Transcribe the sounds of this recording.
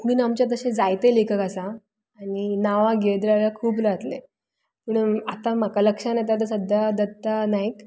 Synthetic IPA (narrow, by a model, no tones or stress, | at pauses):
kuɽiːnamt͡ɕjat̪̬əɕẽd͡zajt̪elekʰəkasaː | ɽinaʋaɡeɭd̪ɾaɾjakʰuːplat̪le | pəɳat̪amakaləkʂanat̪̬at̪əsəd̪ʱjad̪ət̪ːanajk